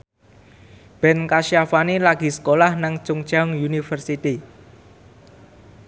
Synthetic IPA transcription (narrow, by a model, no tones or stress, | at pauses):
b̥ɛ̤nkaʃiafanelaɡ̥i̤sə̥kolahnaŋt͡ʃʊŋ̥t͡ʃaŋjunifərsit̪i